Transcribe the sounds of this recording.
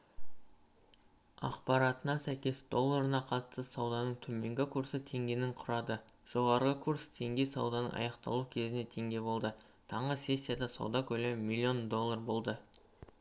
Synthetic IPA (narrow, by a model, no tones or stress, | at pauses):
ɑ̰qpɑɾɑt̪ənɑsæjkʲe̞sd̪o̞lˠːaɾənɑqʰɑt̪ə̥səsɑwd̪ɑnəɴt̪ʰɵme̞ŋɡʲɪkʰuɾsət̪ʰe̞ŋɡʲe̞nɪɴqʰʊɾɑd̪ə | ʒ̥o̞ʁɑɾʁəkʰuɾst̪ʰe̞ŋɡʲe̞jsɑwd̪ɑnə̰ɴɑ̰jɑqt̪ɑ̰lˠukʲʰezɪne̞t̪ʰe̞ŋɡʲe̞bo̞lˠd̪ə | t̪ʰɑɴʁəse̞sʲːijad̪ɑsɑ̰wd̪ɑkʲʰɵlemmilʲˠːio̞nd̪o̞lˠːarbo̞lˠd̪ə